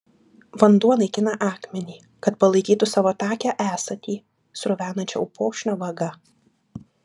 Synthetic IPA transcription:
ʋɐnd̪uɔnɐɪkʲɪnɐʔɑːkmʲɛnʲiː | kɐt̪pɐlˠɐɪkʲiːt̪ʊsɑːʋoːt̪ɑːkʲæʔæːsɐt̪ʲiː | sɾʊʋʲæːnɐnʲt͡ʃʲɛ̰ʊpoːkʃʲnʲoːʋɐɡɐ

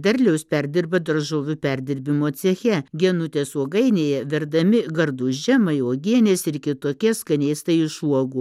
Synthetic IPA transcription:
d̪ʲɐɾʲlʲɛʊspʲæɾʲd̪ʲɪɾbɐd̪ɐɾʒoːʋʲʊpʲæɾʲd̪ʲɪɾʲbʲɪmoːsʲɛxʲɛɡʲɛnʊt̪ʲeːsuɔɡɐɪnʲeːjɛʋʲɛɾd̪ɐmʲɪɡɐɾd̪ʊʒʲɛmɐɪoːɡʲiɛnʲeːsɪɾkʲɪt̪oːkʲɛskɐnʲeːst̪ɐɪɪʃuɔɡuː

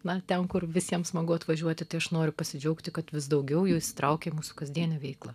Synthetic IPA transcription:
nɐt̪ʲɛmkʊrʋʲɪsʲiɛmsmɐɡʊɐt̪ʋɐʒʲuɔt̪ʲɪt̪ɐɪɐʃnoːɾʲʊpɐsʲɪd͡ʒʲɛʊkt̪ʲɪkɐt̪ʋʲɪsd̪ɐʊɡʲɛʊjuːɪʃsʲɪ̥t̪ɾʔɐʊkʲemuːsʊ̥kɐzʲd̪ʲiɛnʲɛʋʲɛɪklˠɐ

